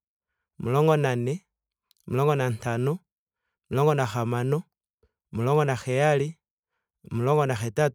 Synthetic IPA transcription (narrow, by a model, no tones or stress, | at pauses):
mulɔŋɡɔnanɛ | mulɔŋɡɔnantanɔ | mulɔŋɡɔnaxamanɔ | mulɔŋɡɔnaxɛjali | mulɔŋɡɔnaxɛta